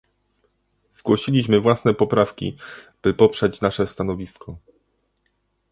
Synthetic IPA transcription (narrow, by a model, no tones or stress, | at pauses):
z̥ɡwɔɕilʲiɕmɘvwasnɛpɔpɾafkʲḭ | b̥ɘpɔpʂɛt͡ɕnaʂɛst̪anɔvʲiskʰɔ